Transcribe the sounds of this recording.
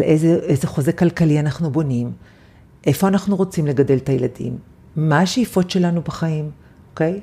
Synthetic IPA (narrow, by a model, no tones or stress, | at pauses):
alʔezeʔezeχozekalkalianaχnubo̞nim | ʔe̞fo̞anaχnuʁo̞t͡simle̞ɡade̞ltajeladḭmː | aːʃejifo̞tʃe̞lanubaχaim | oke̞j